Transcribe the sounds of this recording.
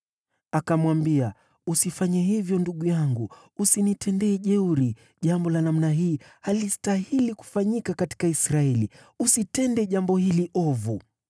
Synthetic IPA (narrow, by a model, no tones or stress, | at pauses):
akamwambia | usifaɲɛɦivjɔnduɠujaŋɡu | usinitʰɛndɛːʄɛuɾi | ʄambɔlanam̩naɦiːhalistahiliku̥faɲikakati̥kaisɾaɛli | usitɛndɛʄambɔhiliʔɔvu